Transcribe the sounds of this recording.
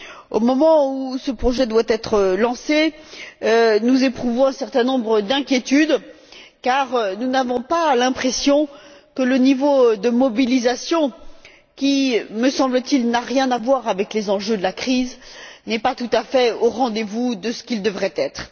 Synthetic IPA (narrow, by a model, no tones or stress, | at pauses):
o̰mɔmɑ̃usəpχɔʒɛd̪wat̪ɛt̪χəlɑ̃se | ønuzepχuvɔ̃ɛ̃sɛʁt̪ɛ̃nɔ̃bʁəd̪ɛ̃kʲjet̪yd̪ | kaʁnunavɔ̃palɛ̃pχesjɔ̃kələnivod̪əmɔbilizasjɔ̃ | kʲiməsɑ̃blət̪ilnaʁjɛ̃navwaʁavɛklezɑ̃ʒød̪əlakχiznɛpat̪ut̪afɛoʁɑ̃d̪evud̪əsə̥kʲild̪əvʁɛt̪ɛt̪χ